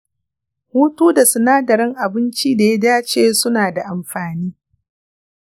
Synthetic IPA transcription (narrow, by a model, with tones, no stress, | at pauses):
huː˦tuː˦da˨sʊ˨naː˦dɐ˨ɾɪ˦ŋʔa˨bɪ˦nt͡ʃiː˦da˨ja˦daː˦t͡ʃeː˦˨sʊ˦naː˨da˨ʔa˨mɸaː˨niː˦